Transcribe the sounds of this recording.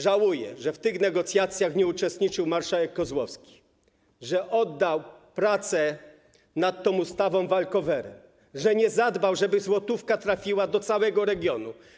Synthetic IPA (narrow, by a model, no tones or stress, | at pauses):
ʐawujɛʐɛft̪ɘɣnɛɡɔt̪sʲjat̪sʲjaxɲɛut͡ʂɛst̪ɲit͡ʂɘwmaɾʂawɛkːɔzwɔfskʲi̥ | ʐɛʔɔd̪ːawpɾat̪sɛ | nat̪ːɔ̃must̪avɔ̃w̃valkɔvɛɾɛ̰m | ʐɛɲɛzad̪bawʐɛbɘzwɔt̪ufkat̪ɾafʲiwad̪ɔt̪sawɛɡɔɾɛɡʲjɔnṵ